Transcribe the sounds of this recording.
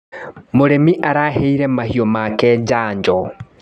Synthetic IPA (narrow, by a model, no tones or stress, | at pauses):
moɾemiʔaɾaheiɾɛmahiɔmakɛd͡ʒaːɲd͡ʒɔ